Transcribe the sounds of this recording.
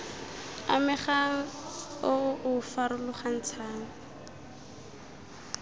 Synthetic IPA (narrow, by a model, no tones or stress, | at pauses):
a̰mɪχaŋ̩ʊʔʊfaɾʊlʊχan̩t͡sʰaːŋ̩